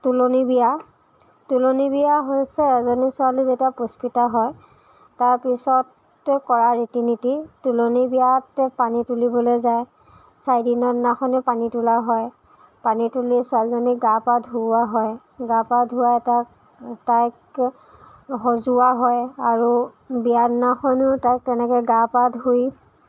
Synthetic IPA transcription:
tulonibija | tulonibijaɦojsɛːzɔnisʊalizetiapospitaɦɔj | taɹpisɔt | kɔɹaɹitinititulonibijatpanitulibɔlojzaj | sajdinɔnaxɔnɛpanitulaɦɔj | panitulisʊalzɔniɡapadɦuaɦɔj | ɡapadʱuwajtak | tajk | ɦɔzuwaɦɔjaɹu | bijadnaxɔnʊtajk̚tɛnɛkɔɡapadɦuj

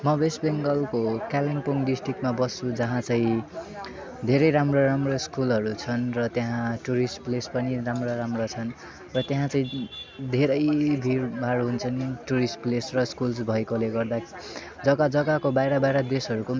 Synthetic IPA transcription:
mʌbesbeŋɡʌlkokaliŋpoŋɖisʈrik̚ʈmabʌst͡sũd͡zʌɦãt͡saĩ | d̪ʱeɾʌjɾamroɾamroskulɦʌɾut͡sʰʌnrʌt̪jaɦãʈuɾisplespʌniramroɾamrot͡sʰʌn | rʌt̪jaɦãt͡saĩd̪ʱeɾʌjbʱiɾbaɾɦunt͡sʰʌniʈuɾisplesrʌskulsbʱʌjkoleɡʌrd̪a | d͡zʌɡad͡zʌɡakobajɾʌbaeɾʌd̪esɦʌɾuko

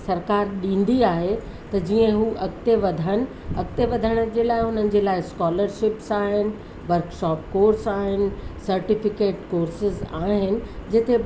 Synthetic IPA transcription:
sɐɾkaːɾɗĩːn̆d̪iaːɦe | t̪ɐd͡ʑiːə̃ɦuːʔɐkt̪eʋɐd̪ʱəñɪ̆ | ɐk̚t̪eʋɐd̪ʱəɽ̃ə̆d͡ʑeːlaːɪɦʊnənɪ̆d͡ʑeːlaːɪskɔːləɾʃɪpsaːɦɪnɪ̆ | ʋɐɾkʃɔːp̚koːɾsaːɦɪnɪ̆sɐɾʈɪfɪkeːʈkoːɾsɪzaːɦɪnɪ̆d͡ʑɪt̪e

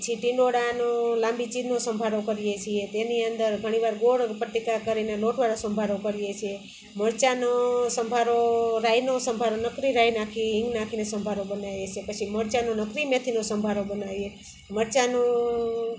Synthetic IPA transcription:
ət͡ʃʰiʈĩɳɖoɽanolãmbit͡ʃinosəmbʱaɾokəɾijet͡ʃʰiet̪eniənd̪əɾɡʱəɽ̃iʋaɾɡoɽpəʈ̪ikakəɾineloʈʋaɾosəmbʱaɾokəɾijet͡ʃʰie | məɾt͡ʃanosəmbʱaɾoɾajnosəmbʱaɾonəkɾiɾajnakʰiɦɪ̃ŋɡnakʰinesəmbʱaɾobənajet͡ʃʰepət͡ʃʰiməɾt͡ʃanonəkɾimet̪ʰinosəmbʱaɾobənaʋje | məɾt͡ʃano

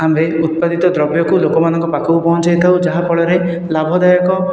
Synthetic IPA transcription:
ambeut̪̚pad̪it̪ɔd̪ɾɔbjɔkulokɔmanɔŋkɔpakʰɔbupɔɦɔ̃nt͡ʃajt̪ʰawd͡ʒaɦapɔɭɔɾe | labʱɔd̪ajɔkɔ

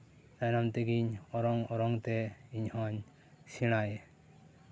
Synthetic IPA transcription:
d̪anamt̪eɡiɲɔɾɔŋɔɾɔŋt̪ɛiɲhɔ̃ɲ | siɽ̃aje

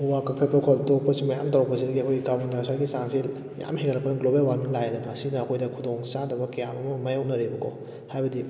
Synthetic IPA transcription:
uwakak̚tʰapɐkʰɔtok̚pɐsimɐjamtawɾɐk̚pɐsidɐɡiɐkʰojɡikamundasaɾɡisaŋsi | mja̰mheŋɐlɐkpːɐnɐɡlobalwanuŋlajedɐmɐsinɐːkʰojdɐkʰudoŋsadɐbɐkɐjamɐmɐmɐjawnɐɾebɐkʰo̰ | hajbɐdi

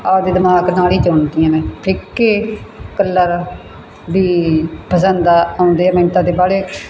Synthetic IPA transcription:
aːd̪eːd̪ɪmaːknaːliːt͡ʃoːɳd̪ijãːnẽːpʰɪkːeːkəlːəɾ | biːpəsənd̪aːaʊ̃nd̪eːɛːmẽːnt̪aːt̪eːbaːɽeː

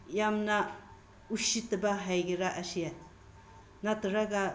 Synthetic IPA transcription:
jamna | uʃitabaɦajɡiɾaʔasija | natɾaɡa

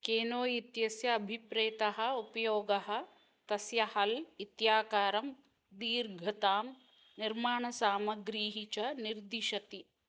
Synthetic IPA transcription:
keːnoːjit̪jɐsjɐːbʱipɾeːt̪ɐɦɐ̆upɐjoːɡɐɦɐ̆ | t̪ɐsjɐhɐlit̪jaːkaːɾɐm | d̪iːɾɡʱɐt̪aːm | niɾmaːɳɐsaːmɐɡɾiːɦit͡ʃɐniɾd̪iʃɐt̪i

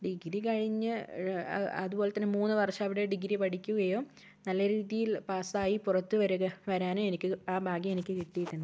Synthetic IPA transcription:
ɖiɡɾikɐɻiɲːɨ | ɐ̰ðubo̞ːle̞t̪ːɐnːemuːnːɨʋɐrʂɐɐʋiɽe̞ɖiɡɾipɐʈikʲːuɣɐjo̞ː | nɐlːɐɾiːðijilpaːsaːjipurɐt̪ːɨʋɐɾuɣɐʋɐɾaːnoːenikʲːɨaːbʱaːɡjɐmenikʲːɨkiʈːijiʈːunː

